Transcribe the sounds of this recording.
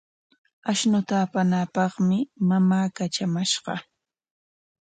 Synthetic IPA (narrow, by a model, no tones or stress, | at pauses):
aʃnʊt̪aːpanapɑχmɪmamaːkat͡ʃamaʃɢɑ̰